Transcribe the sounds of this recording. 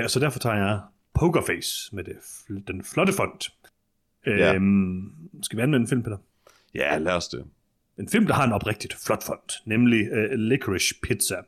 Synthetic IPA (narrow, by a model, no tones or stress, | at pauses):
ɒsɒ̽d̥æɐfɒ̽t͡sʰɑ̰̈ːjɑ̈ɪ | pʰoʊɡ̥ɐfeːsmed̥e̝d̥enflɒ̽d̥əfɔ̽n̰d̥ | ø | sɡ̥æʋiænmenenfilmpʰed̥ | jælæɐsd̥e | e̝nfilmd̥ɑ̈hɑ̈e̝nɒ̽b̥ʁɛɡ̥d̥id̥flɒ̽d̥fɒ̽n̰d̥nemlilekʰəʁiɕpʰid̥sæ